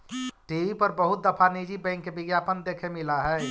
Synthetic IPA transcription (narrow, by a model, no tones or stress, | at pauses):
ʈiʋipəɾbəɦʊt̪̚d̪əpʰanid͡ʒibɛ̃ɪŋkːebɪɡjapənd̪eːkʰemɪlaɦɛː